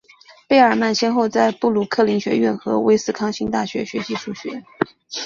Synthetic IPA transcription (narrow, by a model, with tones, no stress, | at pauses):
pe˥˩ɪə˞˨˩ma˥˩nɕjɛ˥nxo˥˧ʊt͡sa˥˧ɪpu˥˩lu˧˥kʰɤ˥˩li˧˥ŋɕɥɛ̰˧˥ɥɛ˥˩nxɤ̰˧˥wḛ˥ɪsɹ̩˥˩kʰɑ˥ŋɕi˥ŋt̪a˥˩ɕɥɛ̰˧˥ɕɥɛ̰˧˥ɕi˧˥ʂu˥˩ɕɥɛ̰˧˥